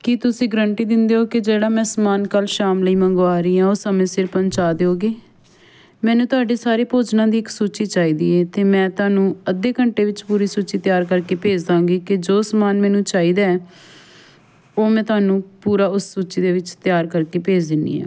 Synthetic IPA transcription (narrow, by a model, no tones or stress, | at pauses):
kɪt̪ʊsĩːɡəɾəɳʈiːd̪ɪnd̪eːɦoːkɪd͡ʒeːɽaːmɛ̃ːsəmaːnkəlʃaːmləiːmə̃ŋɡoaːɾiːãːoːsəmẽːsɪɾpəɲt͡ʃaːd̪eːɦoːɡeː | mɛ̃ːnũːt̪ʊaːɖeːsaːɾeːpoːd͡ʒnãːd̪iːɪksuːt͡ʃiːt͡ʃaːiːd̪ḭːɛːt̪eːmɛ̃ːt̪ʊaːnũːəd̪eːkəɳʈeːʋɪt͡ʃpuːɾiːsuːt͡ʃiːt̪jaːɾkəɾkeːpeːd͡ʒd̪ãːɡiːkɪd͡ʒoːsəmaːnmɛ̃ːnũːt͡ʃaːiːd̪aːɛ | oːmɛ̃ːt̪ʊaːnũːpuːɾaːʊsːuːt͡ʃiːd̪eːʋɪt͡ʃt̪jaːɾkəɾkeːpeːd͡ʒd̪ɪnḭːɛ̰ː